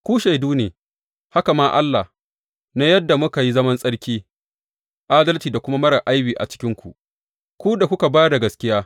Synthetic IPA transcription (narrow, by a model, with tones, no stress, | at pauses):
kʷuː˦ʃa˨jduː˦neː˨ | ha˦ka˨maː˦ʔa̰˦lːa˨h | na˦jɐ˦dːa˨mʊ˦ka˨ji˦zɐ˦mɐ˦nsʼɐ˦ɽkʲiː˦ | ʔaː˦dɐ˦ltiː˨da˨kʷʊ˦ma˦mɐ˦ɾa˨ʔa˦jbiː˨ʔa̰˨t͡ʃɪ̥˦kʲɪ˦ŋkʷu˨ʔ | kʷu˦da˨kʷʊ˦ka˨baː˦da˨ɡɐ˨skʲɪ˦jaː˦